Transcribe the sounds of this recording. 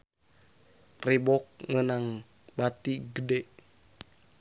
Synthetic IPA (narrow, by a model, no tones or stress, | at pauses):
ribɔk̚ŋənaŋ | bat̪iɡədɛʔ